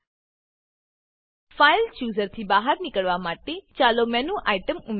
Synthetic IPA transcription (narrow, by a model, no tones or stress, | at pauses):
faɪlt͡ʃuːzəɾt̪ʰibaːɦəɾnɪkəɭʋamaːʈet͡ʃaːlomɛ̃nũʔaːiʈəmʊm